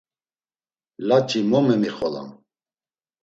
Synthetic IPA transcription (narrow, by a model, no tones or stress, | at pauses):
lat͡ʃʼimɔmɛmiχɔla̰m